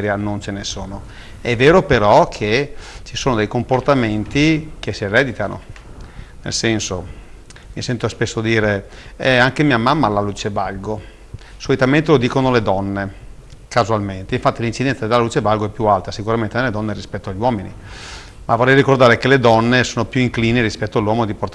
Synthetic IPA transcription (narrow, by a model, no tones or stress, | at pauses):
ɾjanont͡ʃenesoːno | ɛvːeːɾopeɾɔkʰet͡ʃisoːnod̪ejkomport̪ament̪ikesierɛd̪it̪ano̰ | nḛlsɛnso̰ | misɛnt̪ospesːod̪iːɾeɛaŋkemiamamːalaluːt͡ʃevalɡo | solit̪ament̪elod̪iːkonoled̪ɔnːe | kazualment̪eiɱfat̪ːilint͡ʃid̪ɛnsad̪elaluːt͡ʃevalɡoɛpːjualt̪asikuɾament̪eneled̪ɔnːeɾispɛt̪ːoaʎːwɔːminḭ | mʔavorːɛjrikord̪aːɾekeled̪ɔnːesoːnopjuiŋkliːneɾispɛt̪ːoalːwɔːmod̪iport̪